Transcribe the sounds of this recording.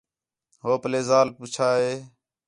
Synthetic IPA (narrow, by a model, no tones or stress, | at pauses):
ɦoːpəleːzaːlpuːt͡ʃʰaːɦeː